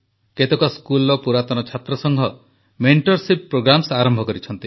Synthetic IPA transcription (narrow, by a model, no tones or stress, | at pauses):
ket̪ekɔskulɔpuɾat̪ɔnɔt͡ʃʰat̪ɾɔsɔŋɦɔ | meɳʈɔɾsippːɾoɡɾamsaɾɔmbʱɔkɔɾit͡ʃʰɔnt̪i